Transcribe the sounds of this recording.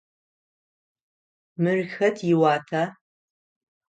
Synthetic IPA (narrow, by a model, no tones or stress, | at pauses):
mɨrxɐtʰjɪwaːtʰaː